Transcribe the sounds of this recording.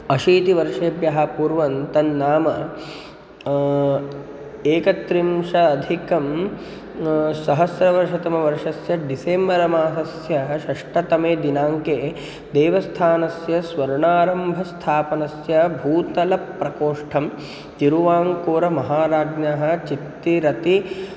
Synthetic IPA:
ɐʃiːt̪iʋɐɾʂeːbjɐɦɐpuːɾʋɐnt̪ɐnːaːmɐ | eːkɐt̪ɾimʂɐːd̪ʱikɐm | sɐɦɐsɾɐʋɐɾʂɐt̪ɐmɐʋɐɾʂɐsjɐɖiseːmɐɾɐmaːsɐsjɐʃɐʂʈɐt̪ɐmeːd̪inaːŋkeː | d̪eːʋɐst̪ʰaːnɐsjɐsʋɐɾɳaːɾɐmbʱɐst̪ʰaːpɐnɐsjɐbʱuːt̪ɐlɐpːɾɐkoːʂʈʰɐm | t̪iɾuʋaːŋkoːɾɐmɐɦaːɾaːɡnaɦɐ̆t͡ʃit̪ːiɾɐt̪i

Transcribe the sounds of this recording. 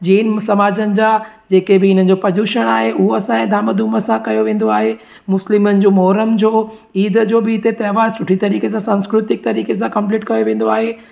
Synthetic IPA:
d͡ʑiːənɪ̆sɐmaːd͡ʑənɪ̆d͡ʑaː | d͡ʑeːkebɪɪn̤ənɪ̆d͡ʑopɐd͡ʑuːʃəɽ̃aːɦeʔʊɦoɐsãɛ̃ːd̪ʱaːməd̪ʱuːməsãkɐjoʋẽːn̆d̪oaːɦe | mʊslɪmənɪ̆d͡ʑoːmɔːɾəmd͡ʑoː | iːd̪ʱd͡ʑoːbɪɪt̪et̪ɐːʋaːɾsʊʈʰit̪ɐɾiːkes̬ãsãːnskɾʊt̪ɪk̚t̪ɐɾiːkes̬ãkɐ̃mpliːʈkɐjoʋẽːn̆d̪oaːɦe

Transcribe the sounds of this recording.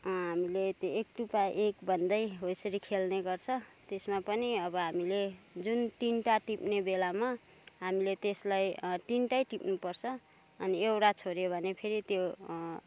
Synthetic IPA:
ɦamilet̪joek̚ʈupaʔekbʱʌnd̪ʌjɦojsʌɾikʰelneɡʌrt͡sʰʌ | t̪esmapʌniʌbʌɦamile | d͡zunt̪inʈaʈipnebelama | ɦamilet̪eslajʈ̪inʈajʈipnupʌrt͡sʰʌ | ʌniewʈat͡sʰoɾjebʱʌnepʰeɾit̪jo

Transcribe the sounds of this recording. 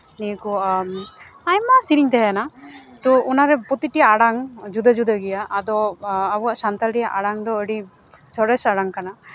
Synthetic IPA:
nikɔm | ajmasiɾiŋt̪ɛɦɛanat̪ɔunaɾɛpɔt̪iʈijaaɽaŋd͡ʒud̪əd͡ʒud̪əɡɛjaʔːd̪ɔabuwaʔsant̪alɾɛjaʔaɽaŋd̪ɔəɖi | sɔɾɛsaɽaŋkana

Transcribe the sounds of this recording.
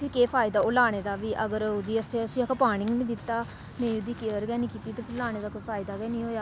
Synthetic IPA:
pʰɪɾkeːpʰaːɪd̪aːoːlaːɽ̃eːd̪aːʋiːʔəɡəɾʊd̪iːəseːəsiːəkəpaːɽɪŋɡnĩːd̪ɪt̪ːaː | nẽːʊd̪iːkeəɾɡɛːniːkiːt̪iːt̪eːpʰɪɾlaːɽ̃eːd̪aːkoːiːpʰaːɪd̪aːɡɛːnĩːɦoːjaː

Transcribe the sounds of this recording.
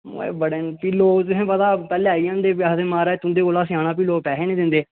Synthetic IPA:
ḛːbəɽeːnpiːloːt̪̬ʊɦẽːpət̪aːpɛːleːaijãːnd̪eːpaːseːmaːɾaːt̪ʊ̃nd̪eːkoːlaːsɪjaːnaːp̬iːloːpɛːɦẽːnẽːd̪ɪ̃nd̪eː

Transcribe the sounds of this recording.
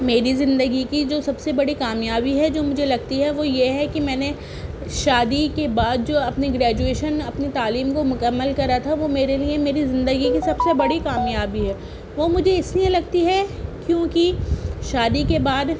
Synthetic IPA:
meːɾizɪ̃nd̪əɡikid͡ʒoːsɐbsebɐɽikaːmjaːbiɦɛd͡ʒoːmʊd͡ʒʱelɐɡt̪iɦɛʋojeɦɛkimɛ̃ːne | ʃaːd̪ikebaːd̪̚d͡ʒoːɐpniɡɾɛːd͡ʒueːʃənɐpnit̪aːliːmkomʊkəmːəlkɐɾat̪ʰaʋoːmeːɾeliemeːɾizɪ̃nd̪əɡikisɐbsebɐɽikaːmjaːbiɦɛː | ʋoːmʊd͡ʒʱeɪsliẽlɐɡ̚t̪iɦɛkjõːkiʃaːd̪ikebaːd̪

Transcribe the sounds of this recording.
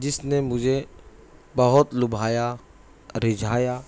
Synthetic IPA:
d͡ʒɪsnemʊd͡ʒʱe | bɐɦʊt̪lʊbʱaːja | ɾɪd͡ʒʱaːja

